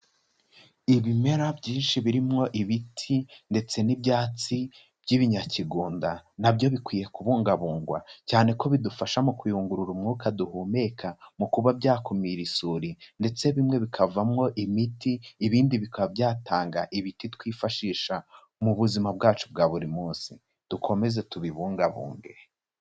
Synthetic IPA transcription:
iβime̞ɾabɟiːnʃiβiɾimŋo̞ʔiβitʰinde̞t͡se̞nibjaːt͡si | b̥ɟiβiɲaciɡuːndanabɟo̞βikwiːje̞kuβuːŋɡaβuːŋɡwa̰caːne̞ko̞βidufaʃamukwijuːŋɡuɾuɾumŋuːkaduhuːme̞ːkʰamukuβabɟaːkumiɾisuːɾinde̞t͡se̞βimŋe̞βikʰavamŋo̞ʔimitiːβiːndiβikabɟaːtʰaːŋɡaʔiβititwiːfaʃiːʃa | muβuzimab̚ɡaːt͡ʃub̚ɡaːβuɾimuːnsi | d̥ukʰo̞me̞ze̞tuβiβuːŋɡaβṵːŋɡḛɾ

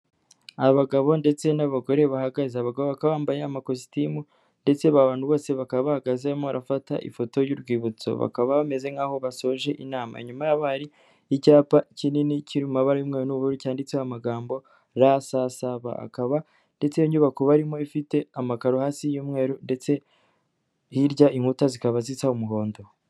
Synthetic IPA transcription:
aβaɡaβo̞nde̞t͡se̞naβaɡo̞ɾe̞βahaɡazeaβaɡaβoβakaβaːmbajeamakosi̥timu | nde̞t͡seβaβaːnhuβo̞ːse̞βakaββahaɡazemoβaɾafata̰ʔḭfo̞to̞juɾɡwiːβut͡so̞̰βa̰kaβaβame̞ze̞ŋaːho̞βaso̞ʒe̞ʔinaːma̰iɲumajaβaɾiː | caːpacʰininicʰiɾimumaβaɾajuːmŋeːɾunuβuɾicaːndit͡seamaɡaːmbo̞ | ɾasasaβa̰a̰kaβa | nde̞t͡sejoɲɟuβakoβaɾimo̞ifite̞amakaɾohaːsijuːmŋe̞ːɾunde̞t͡se̞ | iɾɟaiŋhutazikaβazit͡saumuɦo̞ːndo̞

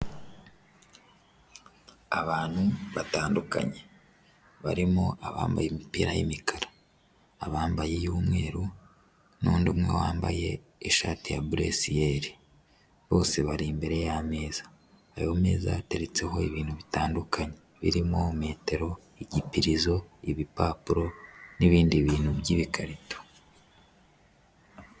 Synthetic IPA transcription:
aβaːn̥huβataːnduka̰ɲe | βaɾimoaβa̰ːmbajemipiːɾajimikʰaɾḁː | βaːmbaje̞juːmŋe̞ːɾu | nuːndumŋḛwaːmba̰je̞ː | ʃaːtijabuɾḛsijeɾi | βo̞ːse̞βaɾimbe̞ɾejame̞ːz̥ḁ | ajome̞̰ːzateɾet͡se̞ɦo̞iβiːnhuβitaːndukʰaɲe | βḭɾimo̞me̞ːte̞ɾo̞ | iɟipiɾizo̞iβipaːpuɾo̞niβiːndiβiːnhubɟiβikʰaɾito̥

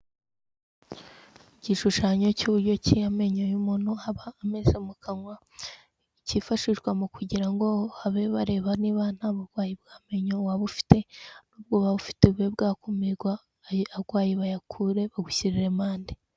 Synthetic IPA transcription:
iciʃuʃaɲo̞cuβuɾɟo̞cijame̞ɲojumunuhaβaːmezemukaŋwa | icifaʃiʒɡwamukuɟiɾaŋɡo̞haβe̞βaɾe̞ːβaniβan̥haβaɡwaːjib̚ɡaːme̞ɲowaβufi̥te̞nuːb̚ɡo̞βaβufi̥teβuwebɡaːkumiɡwa | aɡwaːjiβajakʰuɾe̞βaɡuçiɾiɾe̞maːnde

